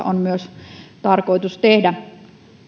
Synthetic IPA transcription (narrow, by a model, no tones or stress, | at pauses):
ɑ̰onmyøst̪ɑrkoˑit̪ust̪ehdæ